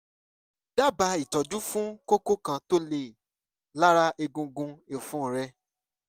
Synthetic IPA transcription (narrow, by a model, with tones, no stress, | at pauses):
da˦˨ba˧i˨tɔ˨d͡ʒu˦fũ˦ko˦ko˦kã˧to˦le˧˨ | la˦ɾa˦ʔe˧ɡũ˧ɡũ˧e˨fũ˨˦˨ɾɛ˧˦